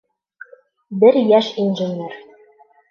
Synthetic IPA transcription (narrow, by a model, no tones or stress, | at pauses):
bɘɾjæʃinʒɘ̆nʲeɾ